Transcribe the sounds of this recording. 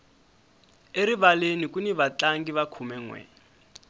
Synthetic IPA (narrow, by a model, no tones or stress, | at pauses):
eɾiβalenikuniβat͡ɬaŋɡiβakʰumɛŋwɛ̰